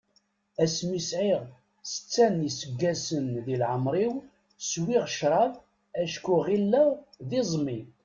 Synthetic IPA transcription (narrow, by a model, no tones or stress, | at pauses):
æsmisʕiʁ | sə̥t͡sːænisəɡːæsənðilʕəmɾˤiw | swiʁʃɾˤɑv | æʃkuʁilːəðizˤmin